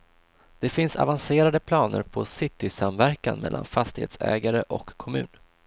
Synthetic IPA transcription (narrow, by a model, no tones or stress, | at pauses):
d̪̥ɛfɪnsa̰vanseːɾad̪əpʰlɑːnə̰ɾpʰɔsɪt̪ːɪsamvæɾkanmɛ̰lːanfast̪ɪhḛːt̪sɛ̰ːɡaɾəʔɔkʰːɔmʉ̟ːn